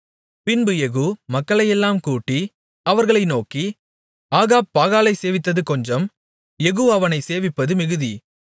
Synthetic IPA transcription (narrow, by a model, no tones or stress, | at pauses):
pɪnbɯjɛɣuːmɐkːɐɭɐjɛlːaːmkuːʈːi | ɐʋɐɾɣɐɭɐɪnoːki | aːɣaːb̚pːaːɣaːlɐɪseːʋɪt̪̬ːɐðɯkɔɲd͡ʒɐm | jɛɣuːɐʋɐnɐɪseːʋɪpːɐðɯmɪɣɯði